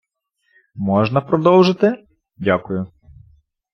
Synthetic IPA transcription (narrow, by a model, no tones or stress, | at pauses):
mɔʒnɐpɾɔd̪ɔwʒɪt̪ɪ | dʲakʊjʊ